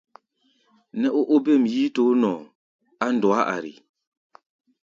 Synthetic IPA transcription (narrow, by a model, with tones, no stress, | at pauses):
nɛ˦ʔo˦ʔo˦be˦˨m˨jiː˦to˨˦nɔ˨ | a˦n˨dwa˦ʔa̰˨ɾḭ˨